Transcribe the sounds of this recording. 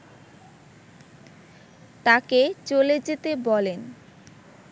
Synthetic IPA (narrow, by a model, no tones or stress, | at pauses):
t̪aket͡ɕoled͡ʑet̪ebɔlen